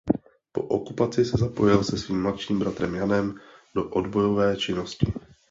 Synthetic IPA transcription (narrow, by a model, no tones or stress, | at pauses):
po̞̰ʔokupat͡sɪsɛzapo̞jɪlsɛsviːmːmlat̪ʃiːmbɾat̪ɾɛmjanɛmdo̞ʔodbo̞jo̞vɛːt͡ʃɪnoscɪ